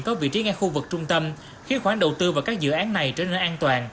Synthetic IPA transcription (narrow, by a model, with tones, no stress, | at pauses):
kɔ˨˦vḭ˧˨t͡ɕi˨˦ŋɛ˧xu˧vɨ˨˩k̚t͡ɕʊ˧ŋ͡mt̪ə˧m | xi˨˧˦əxwaː˧˩nɗə˨˩wt̪ɨ˧vaː˨˩wkaː˦˥k̚zɨ̰˧˨ʔaː˨˦nːa˨˩jt͡ɕə˧nəː˧˩ʔaː˧nt̪waː˨˩n